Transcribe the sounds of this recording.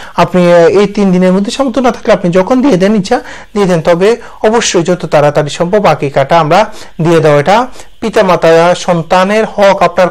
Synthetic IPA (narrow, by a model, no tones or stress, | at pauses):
apniejt̪ind̪ineɾmod̪ʱːeʃɔmbod̪ʱːonat̪ʰḁkleapnid͡ʑɔkʰond̪ied̪ɛniʃʰa | d̪ied̪ent̪ɔbe | ɔboʃːojd͡ʑɔt̪ot̪aɾat̪aɖiʃɔmpobakikaʈaamɾa | d̪ijed̪eaeʈa | pit̪amat̪aaʃɔnt̪aneɾhɔkapnaɾ